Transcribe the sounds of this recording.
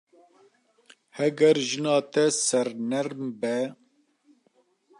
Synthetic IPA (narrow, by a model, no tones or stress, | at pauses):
hɛɡɛɾʒɨnɑːt̪ɛsɛɾnɛɾmbɛ